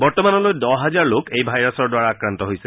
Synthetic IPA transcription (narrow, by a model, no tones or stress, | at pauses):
bɔɹtɔmanɔlojdɔɦazaɹlokejbʱajɹasɔɹdwaɹaːkɹantɔɦojsɛ